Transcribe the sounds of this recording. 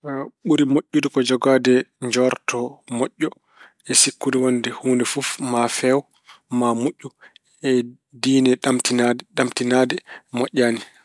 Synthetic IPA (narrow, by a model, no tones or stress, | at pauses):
ɓuɾimoʔʲːudikɔd͡ʒɔɡaːdɛɲd͡ʒɔɾtʰɔmoʔːɔ | ɛsikːudɛwandɛhuːndɛfufmafɛw | mamuʔʲːu | ɛ | diːnɛɗamtinadɗamtinaːdɛmɔʔʲːaːni